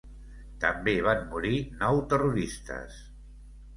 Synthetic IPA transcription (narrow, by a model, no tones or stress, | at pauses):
t̪əmbeβanmuɾinɔwt̪əruɾist̪ə̰s